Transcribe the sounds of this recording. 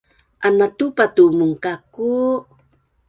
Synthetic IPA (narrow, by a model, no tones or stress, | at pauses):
anat̪upat̪umʊŋkaku